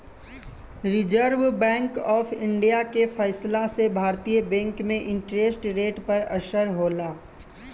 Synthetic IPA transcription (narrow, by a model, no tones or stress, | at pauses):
ɾɪd͡ʒəɾʋbɛ̃ːŋkɔːfʰɪ̃ɳɖijakefəɪslasebʱaːɾt̪ijəbɛ̃ːŋkmẽʔɪ̃ɳʈɾeːsʈɾeːʈpɐɾəʃəɾɦoːlaː